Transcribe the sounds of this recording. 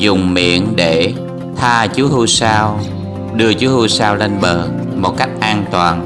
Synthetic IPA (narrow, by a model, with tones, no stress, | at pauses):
zʊ˨˩ŋ͡mmḭ˧˨ənɗe˧˩ | t̪ʰaː˧t͡ɕu˨˦hu˧saː˧w | ɗɨ˧ət͡ɕu˨˦hu˧saː˧wle˧nɓəː˨˩ | mo˨˩t̚ka˦˥jk̟̚ʔaː˧nt̪waː˨˩n